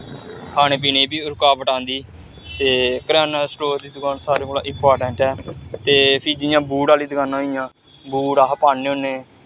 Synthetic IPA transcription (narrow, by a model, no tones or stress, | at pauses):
kʰaːñeːp̬iːneːbiːʊɾkaːbəʈãːnd̪iː | t̪eːkəɾaːnasʈoːɾd̪iːd̪kaːnsaːɾeːkoːla̰ːʔɪ̃mpaːɾʈɛ̃ːɳʈɛːt̪eːpʰiːd͡ʒɪjãːbuːɽaːliːd̪əkãːnaːijãː | buːɖaːɦəpaːneːõːneː